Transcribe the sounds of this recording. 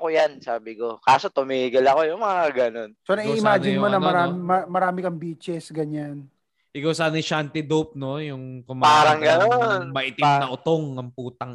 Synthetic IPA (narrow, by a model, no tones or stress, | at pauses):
kojansaːbɪko̞kaːso̞t̪ʊmiːɡɪlɐko̞jʊŋmɐŋaɡɐno̞nsonɐiʔɪmaːd͡ʒɪnmonɐmɐɾaːmɪmɐmɐɾaːmɪkɐŋbiːt͡ʃɛsɡɐɲan | ʔɪkawsɐnɐʃant̪ɪd̪up̚no̞jʊŋkʊmapaːɾɐŋɡɐnoonmɐʔɪt̪ɪŋnɐʔʊt̪oŋːɐŋpuːt̪ɐŋ